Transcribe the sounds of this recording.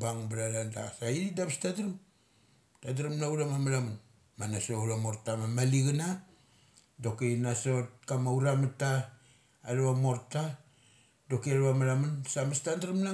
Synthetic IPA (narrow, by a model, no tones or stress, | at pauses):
baŋbɾalanda̰saiɾidaβastadɾum | tadɾamnauɾamamaɾamun | manasouɾamo̞ɾtamamaliɡana | do̞kinaso̞t̚kamauɾamataː | ɾuβamo̞ɾta | do̞kiaɾβamaɾamunsamastandɾamna